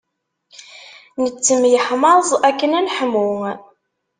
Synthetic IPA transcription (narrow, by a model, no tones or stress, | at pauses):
nət͡sːəmjəħmɑzˤækːənænħəmu